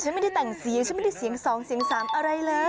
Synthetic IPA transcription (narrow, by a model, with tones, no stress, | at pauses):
t͡ɕʰa˦˥nma˥˩da˥˩t̪ɛ˨˩ŋsi˨˩˦ŋt͡ɕʰa˥m˥˩da˥˩si˩˦əŋsɔː˨˩˦ŋsi˨˩˦əŋsaː˩˦mʔa˧ɾa˧jlɤː˧˥